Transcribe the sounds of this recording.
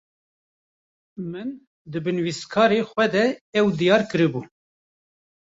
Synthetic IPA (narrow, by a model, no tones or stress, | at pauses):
mɨn | d̪ɨbɨnwist̪kʰɑːɾeːxʷwɛd̪ɛɛwd̪ijɑːɾkɨɾɨbu